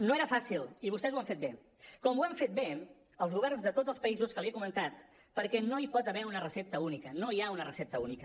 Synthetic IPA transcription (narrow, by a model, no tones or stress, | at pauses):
noeɾəfasilˠiβust̪ɛzwamfet̪be | kɔmuɛmfet̪̚be | əlˠzɣuβ̞ɛrnzðət̪odd͡zzəlˠspəizuskəlˠiəkumənt̪at̪ | pəɾkɛnoipɔt̪əβɛunərəsep̚t̪əunikənoiaunərəsɛp̚t̪əunikə